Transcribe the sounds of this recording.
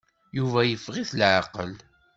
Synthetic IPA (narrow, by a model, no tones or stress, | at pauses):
juvæjəfʁiθlʕaqə̰l